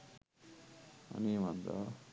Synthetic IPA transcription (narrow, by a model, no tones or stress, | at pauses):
a̰nimand̪a̰